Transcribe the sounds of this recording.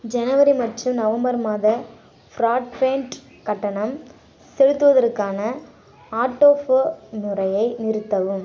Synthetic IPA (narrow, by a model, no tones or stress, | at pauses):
d͡ʒɛnɐʋɐɾimɐʈːrɯmnɐʋɐmbɐɾmaːðɐ | fɾaːʈpeːɳʈ | kɐʈːɐɳɐm | sɛɻɯt̪ːɯʋɐðɐrkaːnɐ | aːʈːoːfnɯrɐjɐɪnɪɾɯt̪ːɐʋɯm